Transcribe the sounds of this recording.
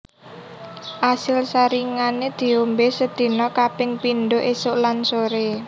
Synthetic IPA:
ʔasɪlsaɾiŋaned̪̥i̤ombesəd̪̥i̤nɔkapɪŋpinɖoʔesʊʔlansoɾe

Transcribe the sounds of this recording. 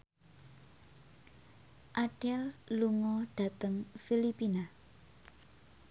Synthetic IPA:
ʔaɖ̥ɛlluŋɔɖ̥a̤t̪əŋfilipina

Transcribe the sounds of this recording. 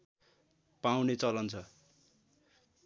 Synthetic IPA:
pawnet͡sʌlʌnt͡sʰʌ

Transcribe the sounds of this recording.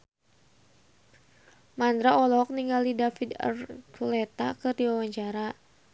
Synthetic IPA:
mand̪ɾaɔlɔk̚niŋɡalidafid̪ə̰rkʰulɛt̪a̰kɨrdiwawaɲt͡ʃaɾa

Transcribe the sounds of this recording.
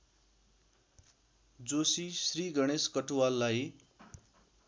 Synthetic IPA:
d͡zosisriɡʌɽ̃eskʌʈuwalːaj

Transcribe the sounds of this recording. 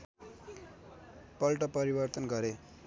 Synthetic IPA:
pʌlʈʌpʌɾibʌrt̪ʌnɡʌɾe

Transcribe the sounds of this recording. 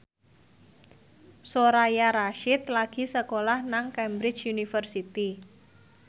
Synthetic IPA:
soɾajaɾaʃɪt̪laɡ̥i̤səkolahnaŋkɛmbɾɪ̥t͡ʃjunifərsit̪i

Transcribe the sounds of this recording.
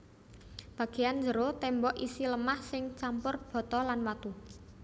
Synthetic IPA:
b̥a̤ɡ̥e̤jand͡ʒəɾot̪ɛmbɔʔisiləmahsɪŋt͡ʃampʊrb̥ɔ̤t̪ɔlanwat̪u

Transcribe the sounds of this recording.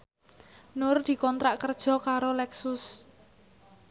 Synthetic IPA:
nʊrd̪̥i̤kɔnt̪ɾaʔkərd̥ʒ̥ɔ̤kaɾolɛksʊs

